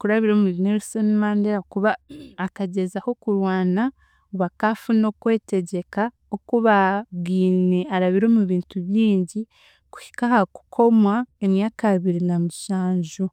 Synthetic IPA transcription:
kuɾaβiɾomuβineɾsonmaːndeɾakuβaːkaɟe̞zaho̞kuɾwaːna | uβakafuno̞kwe̞ːte̞ɟe̞ka | okuβaβɡiːne̞aɾaβiɾo̞ːmuβiːntuβjiːɲɟi | ku̥hi̥kahaku̥kʰo̞mwaemjaːkaβiɾinamuʃaːɲʒu

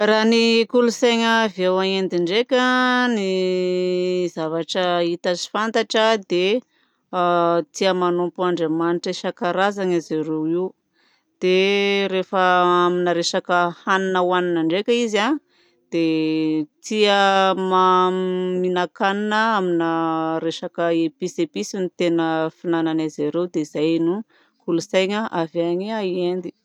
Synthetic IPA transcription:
ranikuluseŋəvewaŋend̪iɳɖ͡ʐekʲəni | zavaʈ͡ʂəit̪azi̥fant̪aʈ͡ʂəd̪e | t̪iəmanupuaɳɖ͡ʐemaniʈ͡ʂeʃakaɾazaŋazeɾewiw | d̪̥eɾefəaminəɾesakəhaninəwaninaɳɖ͡ʐekʲəiza | d̪̥e | t̪iəma | minakaninəaminəɾeʂakəepisepisinit̪enəfinananazaɾewd̪eizajnu | kulusajɲaʔavaɲiaiend̪i̥

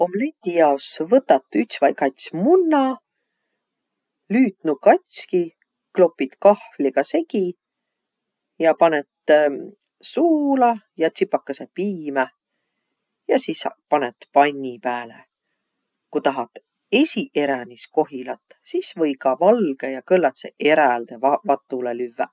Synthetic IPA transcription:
o̞mlent̪ijɑosvɤt̪ːˑɑt̪ːˑyt̪svɑjkɑjt̪smunːɑ | lyːt̪nukɑt̪ʲsʲki | klo̞pːˑit̪kɑhvliɡ̥ɑse̞ɡ̥i | jɑpɑnet̪ | suːlɑjɑt̪sipːˑɑkːɑsepiːmæ | jɑsispɑnet̪pɑnʲːipæːlḛ | kut̪ɑɦɑt̪ːˑ | e̞siʔe̞ɾænisko̞ɦilɑt̪ːsisvɤjɡɑvɑlɡ̥ejɑkɤlːɑt̪sḛʔe̞ɾæld̪̥e̞vɑvɑt̪ːˑulelyvːæ

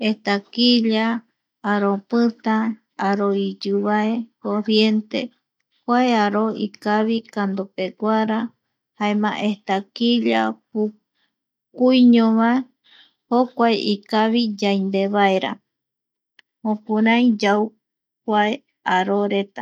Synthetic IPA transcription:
eht̪akiʎaː | ɾopɨt̪ã | aɾoid͡ʒɨβaekoɾjent̪ḛ | kʷaeaɾoḭkaβikand̪opeɡʷaɾa | haemãʔeht̪akiʎapu | kujɲõβae | hokʷaeʔikaβid͡ʒajnd̪eβaeɾa̰ | hõpũɾãĩd͡ʒaw | kʷae | aɾoɾet̪a

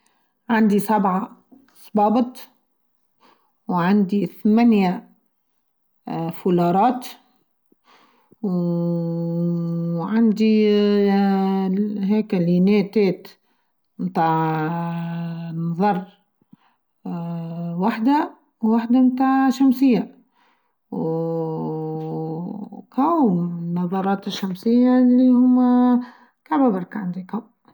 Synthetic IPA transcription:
ʕand̪isabʕa | sˤbɑːbɨt̪ˤ | wʕand̪iθmænja | fulɑːɾˤɑːt̪ | w | ʕand̪i | ɦɛːklinɛːt̪ɛːt̪ | mt̪aːʕ | nɑðˤɑɾˤ | waħd̪a | wwaħd̪amt̪aːʕʃamsɪjːa | w | kæwnːɑðˤɑɾˤɑːt̪ɪʃːamsɪjːalːihʊmːæ | kabæbɑɾˤkʕand̪ikaw

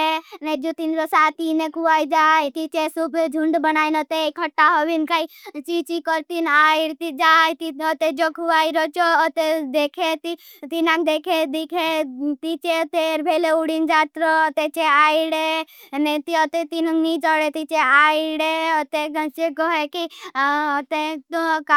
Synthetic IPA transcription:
ened͡ʒot̪inɾosat̪inekʰuajd͡ʒaːjt̪it͡ʃesubd͡ʒʱũɳɖbənaːinɔt̪ekʰəʈːaɦoʋinkait͡ʃit͡ʃikəɾt̪inaiɽt̪id͡ʒaːjt̪iɔt̪ed͡ʒokʰuaiɾɔt͡ʃɔt̪ed̪ekʰet̪i | t̪inakd̪ekʰed̪ikʰet̪it͡ʃet̪eɾbʱeleuɽind͡ʒat̪ɾɔt̪et͡ʃeaiɽenet̪iɔt̪et̪innid͡ʒɔɽet̪it͡ʃeaiɽeɔt̪eɡə̃t͡ʃekɔɦekiɔt̪et̪oka

